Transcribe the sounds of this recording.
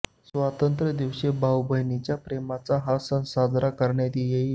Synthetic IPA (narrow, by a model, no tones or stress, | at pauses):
sʋat̪ənt̪ɾəd̪iʋɕebʱawbʱəɦnit͡ɕjapɾemat͡saɦasə̃nsad͡z̪ʱɾakəɾɳjad̪ijeɦi